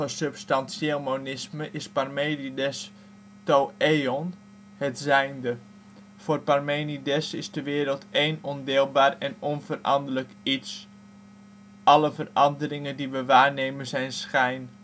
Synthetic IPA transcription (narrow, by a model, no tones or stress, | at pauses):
əsɵpstɑnsjelˠmonɪsməʔɪsparmejnidɛs | toeɔn | hətzɛjndə | foːrparmejnidɛsɪsdəʋɪːɾəlˠtejnɔndɪːlˠbaːrɛnɔnvərʔɑ̰ndələkits | ʔɑləvərɑndərɪŋəndiʋəʋaːrnejmənzɛjnsχɛjn